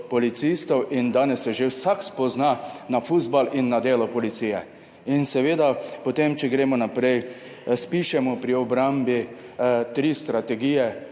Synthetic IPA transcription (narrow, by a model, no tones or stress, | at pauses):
pɔlit̪sist̪ɔwʔind̪aːnɛsjɛʒewsakspɔznanafuzbalinːad̪eːlɔpɔlit̪siːjɛ | insɛʋeːd̪apɔt̪emt͡ʃɛɡɾeːmɔnapɾɛj | spiʃɛmɔpɾiɔbɾambit̪ɾiːst̪ɾat̪ɛɡijɛ